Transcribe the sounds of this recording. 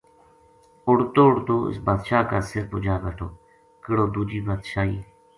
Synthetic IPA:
ʊɽt̪oːʊɽt̪oːɪ̰sbaːd̪ʃaːkaːsɪɾpʊd͡ʒaːʋɛːʈʰoː | kɪɽoːd̪uːd͡ʒiːbaːd̪ʃaːiː

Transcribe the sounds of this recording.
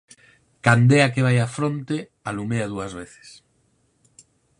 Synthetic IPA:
kand̪eakeβ̞ajafɾont̪e | alumeað̞uazβ̞eθe̥s

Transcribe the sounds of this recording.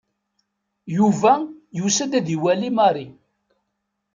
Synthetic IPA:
juvæjusəd̪æðiwælimɑrˤi

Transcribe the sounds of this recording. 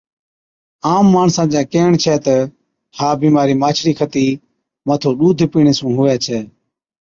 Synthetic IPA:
aːmːaːɳsãːd͡ʒãːkeːɳt͡ʃʰɛːt̪ə | haːbiːmaːɾiːmaːt͡ʃʰɾiːkʰət̪iː | mət̪ʰoːɗuːd̪ʱpiːɳ̃eːsũːɦʊːaːt͡ʃʰɛː

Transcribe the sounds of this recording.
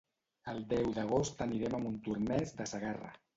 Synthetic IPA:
əlˠd̪ɛwðəɣ̞ost̪əniɾɛməmunt̪urnɛzd̪əsəɣarə̰

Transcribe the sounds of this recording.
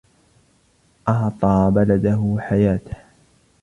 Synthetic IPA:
ʔɑʕt̪ˤɑːbalad̪aɦʊħajaːt̪ḁh

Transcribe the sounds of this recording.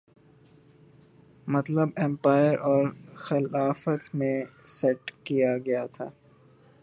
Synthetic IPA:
mɐt̪ləbɛ̃mpaːɪəɾɔːɾxɪlaːfət̪mẽ | sɛʈkijaɡɐjat̪ʰaː

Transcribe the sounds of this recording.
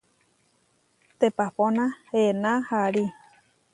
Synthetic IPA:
t̪epaponãhenãhaɾi

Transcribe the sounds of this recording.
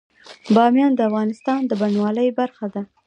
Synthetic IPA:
bɑmjɑnd̪əafɣɑnɪst̪ɑnd̪əbanwɑləjbaɾxad̪a

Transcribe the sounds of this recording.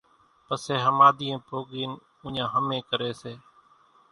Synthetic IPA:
pəseːɦəmaːd̪iːẽːpoːɠiːn | ʊ̃ɲãːɦəmẽːkəɾeːseː

